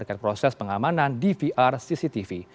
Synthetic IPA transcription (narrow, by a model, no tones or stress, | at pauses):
rkanpɾosɛspəŋamanandifiʔarsisit̪ifi